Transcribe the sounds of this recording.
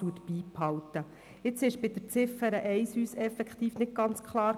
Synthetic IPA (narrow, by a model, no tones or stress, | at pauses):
uət̪b̥iːphɑlt̪ə | ɪt͡sɪʃb̥ɪd̪əɾt͡sɪfəɾəʔɛɪsyːsɛfɛkχt̪iːfnɪt̪̚ɡ̥ɑnt͡skʰχlˠɑːɾ